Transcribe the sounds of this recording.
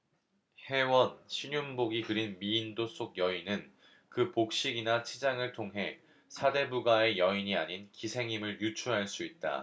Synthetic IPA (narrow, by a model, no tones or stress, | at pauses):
he̞wʌnɕʰiɲumboɡikɯɾinmiːndos͈oɡ̚jʌinɯn | kɯpok̚ɕ͈iɡinat͡ɕʰid͡ʑaŋɯɭtʰoŋɦe̞ | sʰade̞buɡae̞jʌiɲiaɲinkisʰe̞ŋimɯɭjut͡ɕʰuɦaɭs͈uit̚t͈a̰